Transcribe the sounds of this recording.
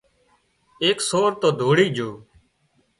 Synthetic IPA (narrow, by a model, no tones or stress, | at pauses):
eːksoːɾt̪oːd̪ʱoːɽiːd͡ʒʱoː